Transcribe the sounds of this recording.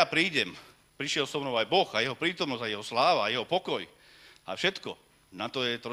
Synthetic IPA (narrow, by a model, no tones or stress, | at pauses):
apɾiːɟɛm | pɾiʃɪɛlsɔʊnɔʊajbɔɣajɛɦɔpɾiːt̪ɔmnɔzajɛɦɔslaːʋaːjɛɦɔpɔkɔj | a̰fʃɛt̪kɔ | nat̪ɔjɛt̪ɾɔ